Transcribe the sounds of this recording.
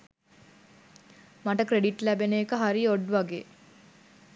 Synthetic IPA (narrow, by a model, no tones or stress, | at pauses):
maʈəkɾeɖiʈlæbeneːkəɦaɾioɖʋaɡḛː